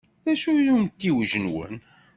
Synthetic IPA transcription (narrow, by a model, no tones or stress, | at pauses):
ðæʃujlunt̪ːiwʒənwə̰n